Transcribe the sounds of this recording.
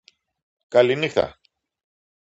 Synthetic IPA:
kɐlinixθɐ̰

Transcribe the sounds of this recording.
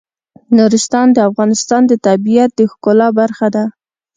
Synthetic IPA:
nuɾɪst̪ɑnd̪əafɣɑnɪst̪ɑnd̪ət̪abijat̪̚d̪əxkolɑbaɾxad̪a

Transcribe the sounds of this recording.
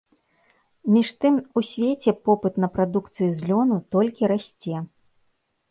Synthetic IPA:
mʲiʂt̪ɨmusʲvʲet͡sʲɛpɔpɨt̪nɐpɾad̪ukt̪sɨjuzʲlʲɔnut̪ɔlʲkʲiɾasʲt͡sʲɛ

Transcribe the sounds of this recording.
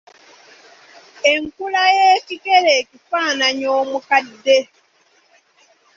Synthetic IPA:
e̞ŋkulajeːcikeleːcifaːnaɲoːmukadːe̞

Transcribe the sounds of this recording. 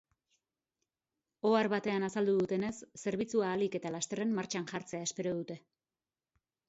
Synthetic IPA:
o̞aɾβat̪e̞anasald̪uðut̪e̞ne̞sːe̞ɾβ̞it͡suaːlike̞t̪alast̪e̞re̞mmaɾt͡ʃanʝaɾt͡se̞ae̞spe̞ɾo̞ð̞ut̪e̞

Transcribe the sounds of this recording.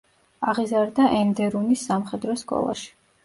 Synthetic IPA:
aʁizaɾd̪aʔɛnd̪ɛɾunisːamχɛd̪ɾɔskʼɔ̰lˠa̰ʃi̥

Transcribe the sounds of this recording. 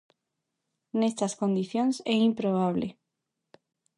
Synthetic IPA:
nest̪askond̪iθjonsɛimpɾoβ̞aβlḛ

